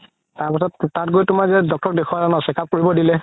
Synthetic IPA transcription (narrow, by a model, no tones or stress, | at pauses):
taɹpisɔtːatɡojtʊmazɛdɔk̚tɔk̚dekʰuwazanɔsɛkap̚koɹibɔdilɛ